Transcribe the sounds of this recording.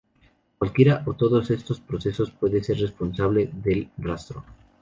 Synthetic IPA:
kwalkje̞ɾaʔot̪o̞ðo̞se̞st̪ospɾo̞se̞so̞spwe̞ðe̞se̞ɾre̞spo̞nsaβle̞ðe̞lrast̪ɾo

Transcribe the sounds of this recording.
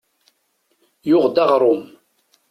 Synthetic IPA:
jʊʁd̪ɑʁɾˤʊm

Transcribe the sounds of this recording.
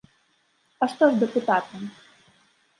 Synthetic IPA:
ɐʂt̪ɔʐd̪ɛput̪at̪ɐm

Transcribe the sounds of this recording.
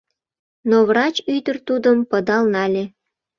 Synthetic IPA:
noβrɑt͡ɕyd̪ərt̪ud̪əmpəd̪ɑlnɑlʲe

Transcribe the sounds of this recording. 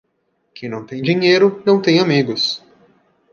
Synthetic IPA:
kẽj̃nɐ̃w̃t̪ẽj̃d͡ʒiɲejɾʊnɐ̃w̃t̪ẽj̃amiɡʊs

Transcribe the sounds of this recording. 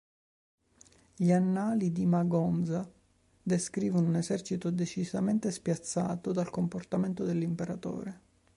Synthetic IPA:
ʎianːaːlid̪imaɡɔnd̪za | d̪eskɾiːvonunezɛrt͡ʃit̪od̪et͡ʃizament̪espjat̪sːa̰ːt̪od̪alkomport̪ament̪od̪elːimpeɾat̪o̰ːɾe

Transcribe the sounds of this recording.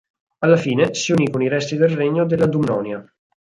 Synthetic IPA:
alːafiːnesiuniːkoniɾɛst̪id̪elreɲːod̪elːad̪umnɔ̰ːnja

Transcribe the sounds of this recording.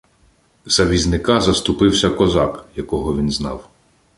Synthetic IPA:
z̥ɐʋʲiznɪkɑzɐst̪ʊpɪwsʲɐkɔzɑkjɐkɔɦɔʋʲinznɑ̰w

